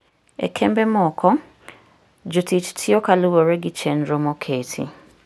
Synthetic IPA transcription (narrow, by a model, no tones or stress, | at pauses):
ɛ̰kʰɛmbɛmɔkʰɔ | d͡ʒʊtit͡ʃtʰiɔkaluwɔɾɛɡit͡ʃɛnɾɔmɔkʰetʰḭ